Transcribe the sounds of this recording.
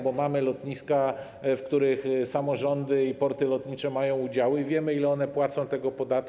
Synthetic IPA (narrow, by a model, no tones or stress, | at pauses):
bɔmamɘlɔt̪ɲiska | fkt̪uɾɘxsamɔʐɔnd̪ɘipɔɾt̪ɘlɔt̪ɲit͡ʂɛmajɔ̃w̃ud͡ʑawɘivʲjɛmɘilɛɔnɛpwat̪sɔ̃w̃t̪ɛɡɔpɔd̪at̪̚